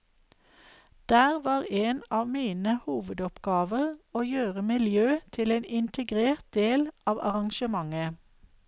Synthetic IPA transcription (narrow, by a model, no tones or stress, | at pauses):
d̪̥æːʁʋɑːʁeːnɑːʋmiːnəhuːʋəd̪ɔpɡ̥ɑːʋəʁoːjøːʁəmɪljøːt̪ʰɪleːnɪnt̪ʰəɡʁeːʁt̪̚d̪eːlʔɑːʋɑ̰ʁɑŋʃəmɑŋə